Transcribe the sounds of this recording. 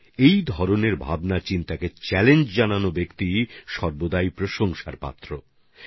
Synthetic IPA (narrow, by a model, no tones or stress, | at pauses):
ejd̪ʱɔɾoneɾbʱa̰bnat͡ɕint̪aket͡ɕɛlend͡ʑd͡ʑananobekt̪iʃɔɾbod̪ajpɾoʃoŋʃaɾpa̰t̪ːɾo